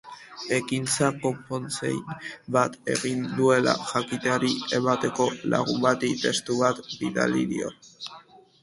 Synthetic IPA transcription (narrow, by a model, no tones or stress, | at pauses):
e̞kint͡sako̞mpo̞nt͡sḛjbat̪e̞̰ɣind̪ue̞la̰ʝakit̪eaɾie̞mat̪e̞ko̞la̰ɣumbat̪it̪e̞st̪uβat̪biða̰liɾio̰